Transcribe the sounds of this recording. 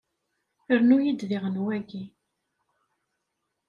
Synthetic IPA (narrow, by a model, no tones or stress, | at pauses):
əɾnujid̪ðiʁənwæɡi